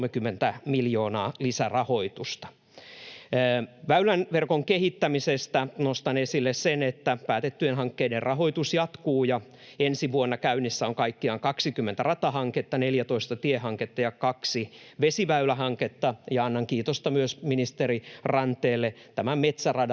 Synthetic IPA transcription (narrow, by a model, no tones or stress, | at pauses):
mekymːent̪æmiljo̞ːnɑːlisærɑhoit̪ust̪ɑ̥ | ʋæylænʋerkoŋkehit̪ːæmisest̪ænost̪ɑnesilːessenet̪ːæpæːt̪et̪ːyenɦɑŋkːeiderrʔɑɦo̞it̪usjɑt̪kuːjɑ | ensiʋuonːɑkæynːisːæoŋkɑikːiɑŋkɑksikymːent̪ærɑt̪ɑhɑŋket̪ːɑneljæt̪oist̪ɑt̪iehɑŋket̪ːɑjɑkɑksi | ʋesiʋæylæɦɑŋket̪ːɑjɑɑnːɑŋkiːt̪ost̪ɑmyøsminist̪eɾirɑnt̪ˑeːlːet̪æmæmet̪særɑd